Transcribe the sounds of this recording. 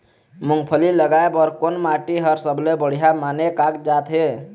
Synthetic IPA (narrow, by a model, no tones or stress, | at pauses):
mʊŋɡpʰəliləɡaebɔːɾkonmaʈiɦəɾsəblebəɽ̤ijamaːnekakd͡ʒaːt̪ɦe